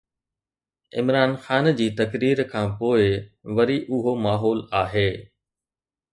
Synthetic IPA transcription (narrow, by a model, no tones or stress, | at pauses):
ɪ̰mɾaːnxaːnd͡ʑiːt̪ɐkɾiːɾkʰãːpoːɪʋɐɾiʔʊɦomaːɦɔːlaːɦeː